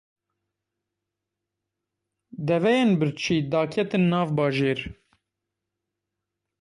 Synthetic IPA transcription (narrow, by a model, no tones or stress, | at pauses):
d̪ɛvɛjenbɨɾt͡ʃʰiːd̪ɑːkʰɛt̪ɨnːɑːvbɑːʒeːɾ